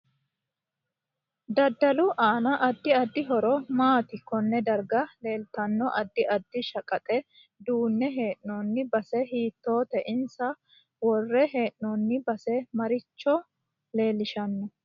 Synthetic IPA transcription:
d̪ɐd̪ːɐlʊʔaːnɐʔɐd̪ːɪɐd̪ːɪɦɔɾɔmaːt̪ɪkɔnːɛd̪ɐɾɡɐle̞ːlt̪ɐnːɔʔɐd̪ːɪʔɐd̪ːɪʃɐkʼɐt̪ʼɛ | d̪uːnːɛɦe̞ːʔnonːɪbɐsɛɦiːt̪ːo̞ːt̪ɛʔɪnsɐ | wɔrːɛɦe̞ːʔnɔnːɪbɐsɛmɐɾɪt͡ʃːɔ | le̞ːlɪʃɐnːɔ

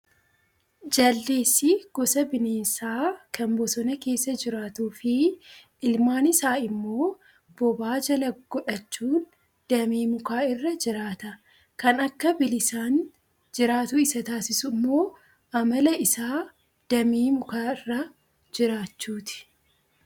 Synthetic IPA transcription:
d͡ʒɐlːe̞ːsːɪɡ̥ɔsɐbɪneːsaːkɐmbɔsɔnɐke̞ːsːɐd͡ʒɪɾaːt̪uːfɪʔɪlmaːnɪsaːɪmːo̞ː | b̥ɔbaːd͡ʒɐlɐɡɔᶑɐt͡ʃːuːn | d̪̥ɐmeːmʊkaːɪrːɐd͡ʒɪɾaːt̪ɐ | kɐnɐkːɐbɪlɪsaːn | d͡ʒɪɾaːt̪ʊɪsɐt̪aːsɪsʊmːo̞ː | ʔɐmɐlɐɪsaː | d̪̥ɐmeːmʊkaːɪrːɐ | d͡ʒɪɾaːt͡ʃːuːt̪ɪ̥

